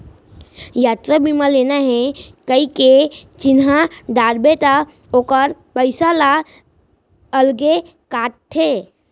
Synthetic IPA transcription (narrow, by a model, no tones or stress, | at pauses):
jaːt̪ɾabimaleːnaɦɛkəiket͡ʃɪnɦad̪aːɾbet̪a | oːkəɾpəɪsala | əlɡe | kaːʈ̚t̪ʰːeː